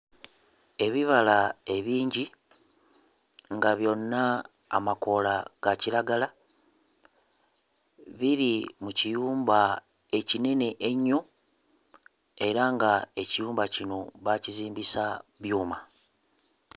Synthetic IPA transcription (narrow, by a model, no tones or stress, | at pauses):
e̞βiβalae̞βiːɲɟi | ŋɡaβjo̞nːa̰ː | mako̞laɡ̥aciɾaɡala | βiɾimucijuːmba | e̞cine̞ne̞ʔeɲːo̞ | e̞ɾaŋɡae̞cijuːmbacino̞βaciziːmbisaβjuːma